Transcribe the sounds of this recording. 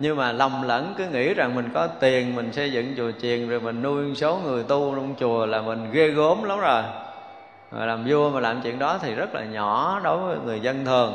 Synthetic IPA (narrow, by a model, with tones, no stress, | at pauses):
ɲɨ˧ŋmaː˨˩la˨˩wŋ͡mlə̰˧˥nkɨ˨˦ŋḭ˧˥za˨˩ŋmi˨˩ŋ̟kɔ˨˦t̪i˨˩ənmï˨˩ŋ̟sə˧jzɨ̰˧˨ŋt͡ɕu˨˩ət͡ɕḭ˨˩ənzo˨˩jmï˨˩ŋ̟nu˧jso˨˦wŋɨ˨˩əjt̪u˧la˧wŋ͡mt͡ɕu˨˩əlaː˨˩mï˨˩ŋ̟ɣe˧ɣo˨˦mla˨˦wŋ͡mzo˨˩j | ɣɔ̰˨˩jlaː˨˩mzu˧əmaː˨˩laː˨˩mt͡ɕḭ˧˨ənɗɔ˨˦t̪ʰi˨˩zə˦˥t̚la̰ː˨˩ɲɔ̰˧˩˨ɗo˨˦jvəː˨˦jŋɨ˨˩əjzə˧nt̪ʰɨ˨˩əŋ